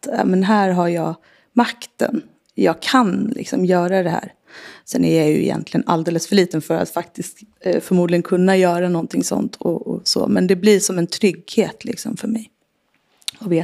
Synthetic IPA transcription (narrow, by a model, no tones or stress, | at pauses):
ɑ̰ːmɛnɦæːɾɦaɾjɑː | makt̪ə̰n | jɑːɡkʰanlɪ̰ksɔmjœːɾad̪ɛhæ̰ːɾ | sɛnæɾjajɵ̰ɪ̰jɛ̰nt̪ʰlɪɡə̰nʔa̰ld̪eːləsfœɭiːt̪ənfœɾa̰t̪fakt̪ɪst̪fœɾmuːd̪lɪɡənkʰɵnːajœːɾanɔnt̪ʰɪŋsɔ̰nt̪ʰɔ̰ɔsɔ̰ːmɛnd̪ɛblɪʂɔmɛnt̪ʰɾʏɡheːt̪lɪksɔmfœɾmɛj | ɔveː